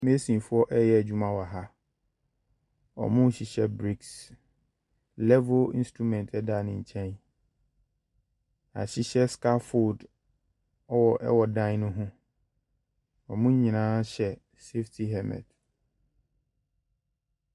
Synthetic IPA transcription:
me˦sĩ˨fʊ˦ɔ˦ʔɛ˦jɛ˦æ˨d͡ʑᶣu˦mã˨wa˨ɦa˦ | ɔ̰˨mʊ̃˦ɕi˨ɕɛ˦bɾi˦ks | lɛ˦vʊ˦lḭ˦n˦stɾu˦˨mɛ̃˨ntʰɛ˦da˦˨nɪ̃˨ɲ̩˨t͡ɕʰɛ̃˦n | a̰˨ɕi˦ɕɛ˦ska˦fo˦˨d | ɔ˦wɔ˨ʔɛ̰˦wɔ˨dã˦n˦nʊ̃˦ɦʊ̃˦ | ɔ˨mʊ̃˦ɲĩ˨nãː˦ɕɛ˨ | se˦ftʰi˨ɦɛ˦mɛ̰̃˨d

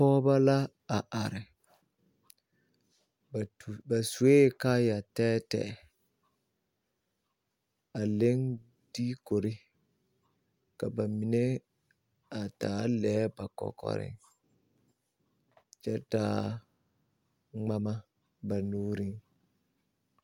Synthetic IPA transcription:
pɔː˦ba˦la˦ | a˨ʔa˨ɾɪ˨ | bba˨su˨e˦ka˦ja˨tɛː˦tɛ̰˨ | a˨le˦ŋ | di˦ko˨ɾɪ˦ | ka˨ba˨mi˨ne˦ | a˨taː˨˦lɛː˨˦ba˨kɔ̰˨kɔ̰˨ɾɪ̰˦ | t͡ʃɛ˦taː˦ | ŋ͡ma˦ma˦ | ba˨nuː˦ɾi˦ŋ

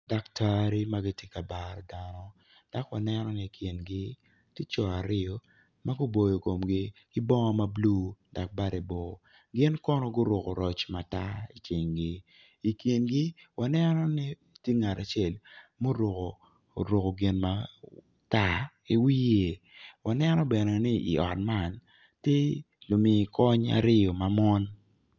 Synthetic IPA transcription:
da˨kta˦ɾi˦ma˦ɡi˦tje˦ka˨ba˨ɾdanɔ˦ | d̥a˨kwa˨nɛnɔ˦ni˨kʰje˨nɡɪ˦ | ti˦t͡ʃɔ˨a˨ɾɪ˦ɔ˦ | ma˦ɡʊ˦bo˨jo˨ko˨mɡɪ˦kɪ˦bɔ˦ŋɔ˦ma˦blu˦da˨k̚ba˦ɾe˨bɔ˨ | ɡɪ˦nkɔ˦nɔ˦ɡʊ˦ɾʊ˨ko˨ɾɔ˨t͡ʃma˨ta˦i˨t͡ʃɪ˨ŋɡɪ˦ | i˨kji˨nɡɪ˦wa˨nɛ˦nɔ˦nɪ˦ | tje˦ŋa˨ɾa˨t͡ʃe˦˨lmo˦ɾʊ˨ko˨ | ɾo˨ko˨ɡɪ˨nma | ta˦ | i˨wi˦je˨ | wa˨nɛ˦nɔ˦bɛ˨nɛ˨nɪ˦ʔḭ˨ɔ̰˨t̚ma˦˨n | tje˦ | lo˨mɪ˨kɔ˦ɲa̰˨ɾɪ˦jo˨ma˨mɔ˦n

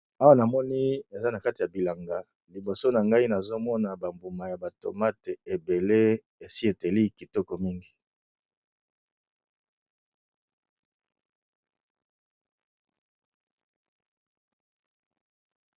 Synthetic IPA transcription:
a˦wa˦na˨mɔ˦ni˦e˨za˦na˨ka˦ti˨ja˨bi˨la˨ŋɡa˨ | li˨bo˨so˦na˨ŋɡa˦i˦na˨zo˦mɔ˦na˨ba˨mbu˨ma˨ja˨ba˨to̰˨ma˦te˨e˨be˨le˦ | e˨si˦e˨te˨li˦ki˨tɔ˦kɔ˨mi˦ŋɡi˨

